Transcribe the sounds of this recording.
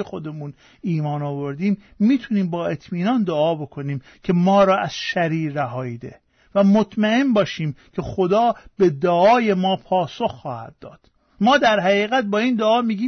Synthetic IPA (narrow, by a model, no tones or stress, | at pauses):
exo̞d̪e̞mun | iːmɒːnɒːvo̞ɾd̪iːmː | iːt̪ʰuniːmbɒːe̞t̪ʰmiːnɒnd̪oɒːbo̞kʰo̞niːm | cʰe̞mɒːɾɒːʔæz̥ʃæɾiːɾæɦɒːjiːd̪e̞̰ | væmot̪ʰmæe̞mbɒːʃiːmkʲʰe̞xod̪ɒːb̥e̞d̪oɒːje̞mɒːpʰɒːso̞xːɒːhæ̰d̪̚ːɒ̰ːd̪̥ | mɒːd̪æɾɦæʁiːɣæt̪̚bɒːiːnd̪oɒːmiːɡiːm